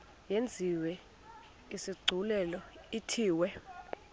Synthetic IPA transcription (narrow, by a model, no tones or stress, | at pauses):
jend͡zʱiwɛ | isiɡ͡ǀʱulɛlɔitʰiːwɛ